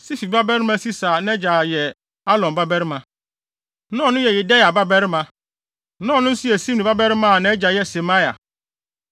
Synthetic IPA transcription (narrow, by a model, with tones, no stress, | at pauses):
si˦fi˨ba˦bɛ˦ɾɪ˦mã˦si˦sa˨nã˦ɛ˦d͡ʑa˨jɛ˨ | a˦lɔ̃˨mba˦bɛ˦ɾɪ˦mã˨ | nɔ̃˦˨nʊ̃˦jɛ˨jɪ˨dɛ˦ja˨ba˦bɛ˦ɾɪ˦mã˨ | nɔ̃ː˦˨nʊ̃˦n̩˦sʊ˦ɛ˨sĩ˦m˨nĩ˨ba˦bɛ˦ɾɪ˦mã˦˨nã˨ɛ˦d͡ʑa˨jɛ˦sɛ˨ma˦ja̰˨